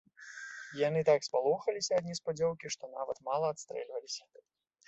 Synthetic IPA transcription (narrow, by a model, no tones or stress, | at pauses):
janɨt̪akspalˠɔxɐlʲisʲɐːd̪ʲnʲispad͡zʲɔwkʲiʂt̪ɔnavɐt̪malˠɐːt̪st̪ɾɛ̰lʲvɐlʲisʲɐ̥